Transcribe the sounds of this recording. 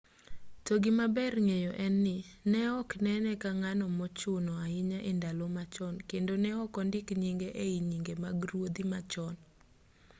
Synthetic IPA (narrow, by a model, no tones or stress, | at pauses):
toɡɪmabɛrŋejɔʔɛnːɪnɛɔknɛnɛkaŋanɔmɔt͡ʃʊnɔaɪɲaʔɪndalomat͡ʃɔnkendonɛɔkɔndɪkɲiŋɡeʔeiɲiŋɡemaɡɾwod̪imat͡ʃɔn